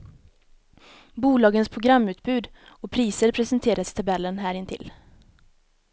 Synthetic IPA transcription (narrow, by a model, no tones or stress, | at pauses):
buːlɑːɡənspʰɾʊɡɾamːʉ̟ːt̪̚bʉ̟ːd̪ɔpʰɾiːsəɾpʰɾɛsənt̪ʰeːɾʔasɪ̥t̪ʰabɛlːənɦæːɾɪnt̪ʰɪ̰l